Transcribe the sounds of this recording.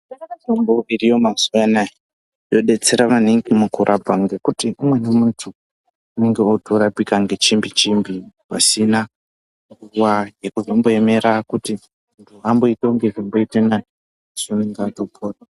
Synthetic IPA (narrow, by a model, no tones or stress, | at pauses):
aatomboʋirijo̞mazuʋanaje | jo̞ɗe̞t͡se̞ɾaʋaneŋɡimukuɾʔabʱaŋɡekutiumwe̞nemuntʰu | une̞ŋɡeotʰoɾapikaŋɡe̞t͡ʃimbit͡ʃimbipa̰sina | ɡuwajekuʐomboeme̞ɾakuti | nduambo̞itoŋɡeʐimboitena | zoneŋɡatopʰoːra